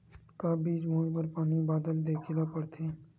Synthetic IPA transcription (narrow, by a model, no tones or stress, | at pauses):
kabiːd͡ʒmõːpəɾpaːnibaːd̪əld̪eːkʰɪlapəɽt̪ʰeː